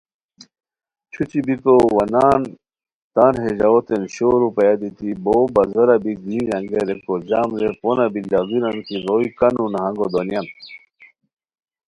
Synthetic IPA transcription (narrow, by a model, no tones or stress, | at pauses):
t͡ɕʰut͡ɕibipowɐnaːn | t̪aːnɦeʑaot̪enɕoːɾupɐjad̪it̪ibobɐzɐɾabiɡ̪ĩɾɐŋɡeɾekozaːmleponabilaɡiɾɐnkiɾoikɐnunaɦɐŋɡod̪onjan